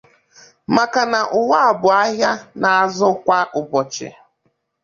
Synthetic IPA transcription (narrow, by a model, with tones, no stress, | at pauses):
ma˨ka˨na˨ʔʊ˨wa˦a˨bʊ˨a˦ɦja˦na˨a˨zʊ˦kʷa˦ʔʊ˨bɔ˨t͡ʃɪ̰˨